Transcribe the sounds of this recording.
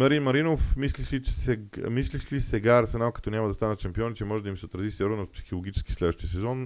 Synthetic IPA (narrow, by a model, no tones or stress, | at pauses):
mɐɾinmɐɾinofmisliʃiɛsɛmisliʃlʲisɛɡaɾsɛnalˠkɐ̥t̪ɔnʲamɐd̪ɐst̪anət͡ʃɛmpiɔnit͡ʃɛmɔʒɛd̪ɐimsɛot̪ɾɐzisɛɾɔnot̪psi̥xolˠoɡʲit͡ʃɛ̥skʲislɛd̪vəʃt̪ijəsɛzɔn